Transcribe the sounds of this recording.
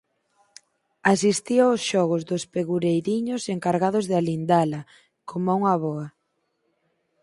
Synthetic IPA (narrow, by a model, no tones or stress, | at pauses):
asist̪iaʊsʃɔɣʊzðʊspeɣuɾejðiɲʊseŋkaɾɣaðʊzðɪalind̪alɐ | kʰomauŋaβɔa